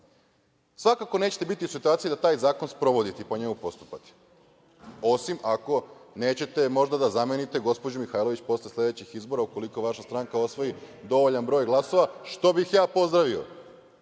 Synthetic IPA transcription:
sʋakako̞ne̞ːt͡ɕet̪ebit̪iusit̪uaːt̪sijed̪at̪aːjzaːko̞nspɾo̞ʋo̞d̪it̪ɛpoɲe̞mupo̞st̪u̥pat̪i̥ | o̞simako̞ne̞ːt͡ɕe̞t̪e̞mo̞ʒd̪ad̪azame̞nit̪e̞ɡo̞spod͡ʑumixaːjlˠo̞ʋit͡ɕpo̞slʲeslʲe̞d̪et͡ɕixizbo̞ɾauko̞liko̞ʋaʃast̪ɾaŋkao̞sʋo̞jid̪o̞ʋo̞ʎanbɾo̞ːjɡlˠaso̞ʋaʃt̪o̞bixjaːpo̞zd̪ɾaʋio̞̰

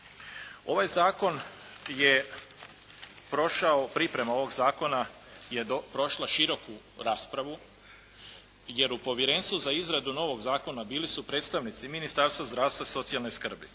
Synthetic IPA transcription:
o̞ʋajzaːko̞n | je̞ | pɾo̞ʃaopɾipɾe̞mao̞ʋo̞ɡzaːko̞na | je̞d̪opɾo̞ʃlˠaʃiɾo̞ku | ɾaːspɾaʋu | je̞ɾupo̞ʋjeɾe̞ːnst̪ʋuzaizɾad̪uno̞ʋo̞ɡzaːko̞nabiːlisupɾe̞ːt̪st̪aʋnit̪siminist̪aɾst̪ʋozd̪ɾaːst̪ʋaso̞t̪sialno̞jskr̩bḭ

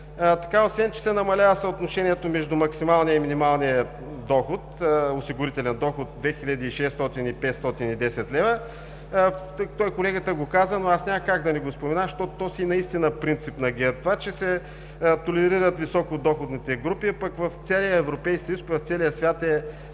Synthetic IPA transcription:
t̪ɐ̥kaotsvɛnt͡ʃɛ̥sɛnɐmɐlʲavəsəot̪noʃɛniɛt̪omɛʒd̪umɐksimalˠnijəiminimalˠniə | d̪ɔxʊt̪osiɡʊɾit̪ɛlʲɛnd̪ɔxʊt̪̚d̪vɛxilʲəd̪iːʃɛst̪ɔt̪inipɛt̪st̪ɔt̪inid̪ɛsɛt̪lɛvə | t̪ɔjkolɛɡət̪əɡokazənoasnʲaməkaɡd̪ɐnɛɡospomɛnaʃt̪ɔt̪t̪ɔsiːnɐist̪inəpɾint̪sipnɐɡɛt̪vat͡ʃɛsɛ | t̪olɛɾiɾət̪visɔkod̪ɔxʊd̪nit̪ɛɡɾupiapəkvɐft̪sɛlijəɛvɾopɛjskʲsjuspvɐft̪sɛlijəsvʲat̪ɛ

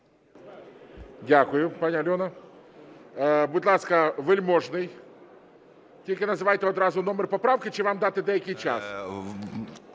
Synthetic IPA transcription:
dʲakʊjʊpɐnʲalʲonə | bʊt̪ʲlˠaskəvɨlʲmoʐnɨj | t̪ʲikʲɪnəzɨvajt̪ʲɪot̪ɾazʊnomʲɪrpɐpɾafkʲɪt͡ɕɪvamd̪at̪ɨd̪aekʲɪjt͡ɕa̰s

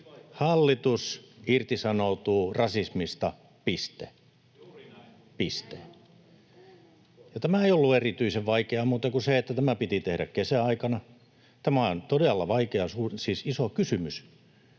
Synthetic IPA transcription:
hɑlːit̪usirt̪isɑnout̪uːrɑsismist̪ɑ | pist̪e | pist̪ḛ | jɑt̪æmæeiolːuerit̪yiseʋʋɑikeɑmuːt̪ɑkuseet̪ːæt̪æmæpit̪it̪ehɾæ̰kkesæɑikɑnɑ | t̪æmæo̰nt̪odelːɑʋɑikeɑsuːsiːsisokysymys

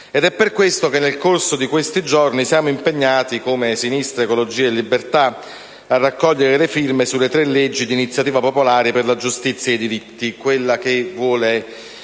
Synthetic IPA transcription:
ɛd̪ɛpːerkwest̪okenːelkorsod̪ikwest̪id͡ʒornisjaːmoimpeɲːaːt̪ikomesinist̪ɾeekolod͡ʒiːelːibert̪a | arːakːɔʎːeɾelefirmesulːet̪ɾelːed͡ʒːid̪iːnit̪sːjat̪iːvapopolaːɾeperlad͡ʒust̪it̪sːjaejd̪iɾit̪ːikwelːak̟evwɔːle

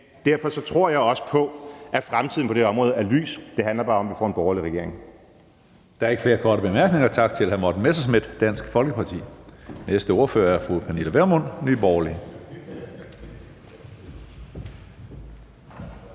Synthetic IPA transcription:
d̥æɐfɒ̽sɒ̽t͡sʰʁo̝ɐ̰jɑ̈ɪɒ̽sə̥pʰɒ̽ʔæfʁamt͡sʰiðˠn̩pʰɒ̥̽e̝ɒ̽mʁɔ̽ːð̩ˠæɐly̰ːsd̥e̝ɦænlɐb̥ɑ̈ːɒ̽mʋifɒ̰ːe̝nb̥ɒʊɐliʁɛɡ̥e̝ɐ̰e̝ŋ | d̥ɑ̈æɐe̝ɡ̥fle̝ːɐkʰɒːɾəb̥e̝mæɐɡ̥ne̝ŋɐt͡sʰɑ̈ɡ̥t͡sʰe̝lhæmɑd̥n̩mesɐsme̝d̥d̥æn̰sɡ̥fɒ̽lɡ̥əpʰɑ̈t͡sʰḭːnesd̥əo̝ɐfø̰ːɐæɐfʁupʰæniləʋeɐmon̰nyːb̥ɒːli

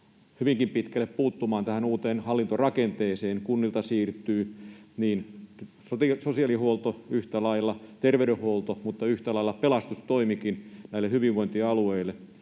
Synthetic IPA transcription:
hyʋiŋkimpit̪kælːeppuːt̪ːumɑːnt̪æhænuːt̪eːnhɑlːint̪orɑkent̪eːseːnkunːilt̪ɑsiːrt̪ˑyːniːn | sot̪isosiɑlihuolt̪oyht̪ælɑilːɑt̪erʋeyɾehholt̪omut̪ːɑyht̪ælɑilːɑpelɑst̪ust̪oimikinnæilehyʋiʋʋoint̪iɑlueilːˑe

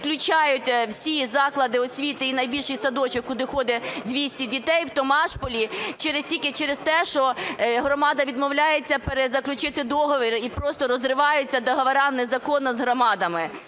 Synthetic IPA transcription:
klʲʊt͡ʃɑjʊtʲwsʲizɑklˠɐd̪ɪɔsʲʋʲit̪ɪinɐjbʲilʲʃɪjsɐd̪ɔt͡ʃɪkkʊd̪ɪxɔd̪ɛd̪ʲʋʲisʲtʲidʲit̪ɛjwt̪ɔmɑʃpɔlʲit͡ʃɛɾɪstʲilʲkɪt͡ʃɛɾest̪ɛʃɔɦɾɔmɑd̪ɐʋʲid̪mɔwlʲajet͡sʲːɐpeɾezɐklʲʊt͡ʃɪt̪ɪd̪ɔɦɔʋeɾʲipɾɔst̪ɔɾɔzrɪʋɑjʊt͡sʲːɐd̪ɔɦɐʋɐɾɑnezɐkɔnːɔzɦɾɔmɑd̪ɐmɪ

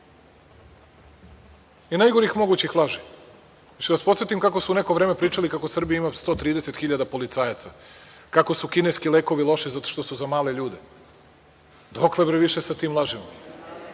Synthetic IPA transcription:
inajɡoɾixmo̞ɡuːt͡ɕixlˠaʒi | at͡ʃiʋaspot̪set̪imkako̞suunekoʋɾeːmepɾiːt͡ʃalikako̞sr̩bijaimast̪o̞ːt̪ɾiːd̪eset̪xiʎad̪apo̞lit̪saːjat̪sa | kako̞sukineskileːko̞ʋilˠo̞ʃizat̪oʃt̪o̞suzamaːle̞ʎuːd̪e | d̪oklˠebɾeʋiʃesat̪iːmlˠaʒimo

